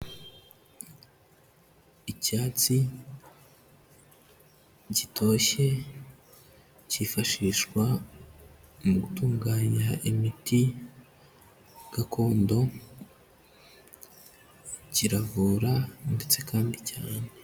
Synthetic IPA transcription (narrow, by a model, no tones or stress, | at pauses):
caːt͡si | ɟitʰo̞ɕe̞ | cifaʃiʃkwa | muɡutuːŋɡaːɲaimiti | ɡ̥akʰo̞ːndo̞ | ciɾavuːɾande̞t͡se̞kaːndicaːne̞